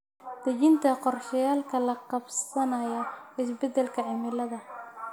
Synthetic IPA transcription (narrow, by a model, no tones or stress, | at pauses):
d̪̥ɐt͡ʃɪnt̪ʰɐqɔrʃɐjaːlkʰɐlɐqɑbsɐnɐjɐʔɪsbɛd̪ɛlkʰɐʕɪmɪlɐðɐ